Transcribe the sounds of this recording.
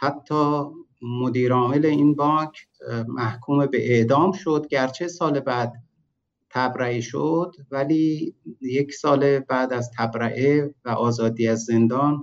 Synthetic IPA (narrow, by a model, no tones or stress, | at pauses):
hæt̪ʰːɒː | mod̪iːɾɒːmeleiːnbɒːkʰmʔæhkʰuːmebeʔeʔd̪ɒːmʃo̞d̪̚ɟæɾt͡ʃʰe̞sɒːlebæːd̪ | t̪ʰæbɾæiʃod̪̥væliːjecʰsɒːlebæːd̪æzt̪ʰæbɾæʔevæʔɒːzɒːd̪iːæzːe̞nd̪ɒːn